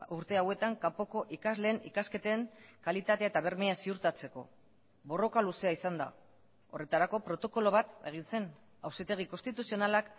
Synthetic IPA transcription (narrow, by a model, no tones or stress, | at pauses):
uɾt̪e̞awe̞t̪aŋkampoko̞ʔikazle̞ːnikaske̞t̪eŋkalit̪at̪e̞aet̪aβ̞e̞ɾmeasiuɾt̪at͡se̞ko̞̰ | βo̞ro̞kaluse̞aisand̪a̰ | o̞re̞t̪aɾako̞pɾo̞t̪o̞ko̞lo̞β̞at̪e̞ɣ̞inse̞n | awsit̪e̞ɣ̞iko̞st̪it̪usio̞nalak